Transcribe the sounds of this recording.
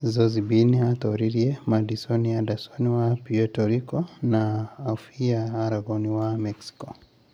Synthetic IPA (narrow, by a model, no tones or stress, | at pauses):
zɔzibiniat̪ɔɾiɾiɛmadisɔniadasɔniwapiɛtɔɾikɔnaːfiaːɾaɡɔniwamɛksi̥kɔ